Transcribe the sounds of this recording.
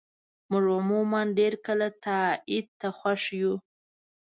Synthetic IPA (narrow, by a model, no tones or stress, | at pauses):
mʊʐʊmumanɖeɾkəlat̪aɪd̪̚t̪axwaʂju